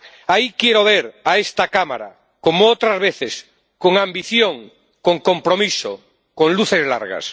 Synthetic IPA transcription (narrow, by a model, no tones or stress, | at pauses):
aikjeɾoβeɾaest̪akama̰ɾa̰ | komoot̪ɾazβeθes | koŋãmbiθjõŋ | koŋkõmpɾomiso̰ | kõŋluθezla̰ɾɣa̰s